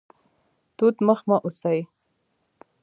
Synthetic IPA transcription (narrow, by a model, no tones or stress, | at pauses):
t̪ut̪məxmaʔusaj